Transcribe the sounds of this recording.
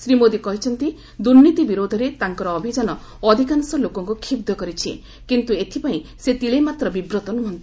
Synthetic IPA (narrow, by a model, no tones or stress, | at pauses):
sɾimod̪ikɔɦit͡ʃʰɔnt̪i | d̪uɾnit̪ibiɾod̪ʱɔɾet̪aŋkɔɾɔːbʱid͡ʒanɔ | ɔd̪ʱikansɔlokɔŋkukʰibd̪ʱɔkɔɾit͡ʃʰḭ | kint̪uet̪ʰipaĩset̪iɭemat̪ɾɔbibɾɔt̪ɔnuɦɔnt̪i̥